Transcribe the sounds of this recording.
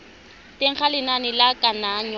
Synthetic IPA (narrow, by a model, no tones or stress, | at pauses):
teŋ̩χalɪnanɪlakʼanaːɲ